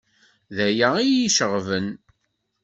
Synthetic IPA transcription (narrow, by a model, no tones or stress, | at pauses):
ðæjæijiʃəʁvən